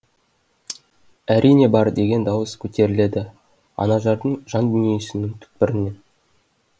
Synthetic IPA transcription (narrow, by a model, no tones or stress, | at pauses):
æɾʔijne̞bɑɾd̪e̞ɡʲe̞nd̪ɑwəskʲʰɵt̪e̞ɾɪle̞d̪ɪ | ɑ̰nɑʒɑɾd̪əɴʒɑnd̪ʏnijesɪnɪŋt̪ʰʏ̥k̚pɪɾɪne̞n